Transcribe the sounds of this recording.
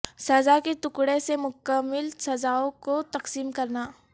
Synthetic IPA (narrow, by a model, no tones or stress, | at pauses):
sɐzaket̪ʊkɽesemʊkəmːɪlsɐzaːõkot̪ɐqsiːmkɐɾnaː